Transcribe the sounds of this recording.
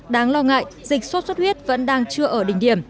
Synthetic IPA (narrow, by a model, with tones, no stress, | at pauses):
ɗaː˨˦ŋlɔ˧ŋa̰ː˧˨jzï˨˩k̟̚sə˦˥t̚swə˦˥t̚hwi˦˥ət̚və̰˧˥nɗaː˧ŋt͡ɕɨ˧əʔəː˧˩ɗï˧˩ŋ̟ɗi˧˩əm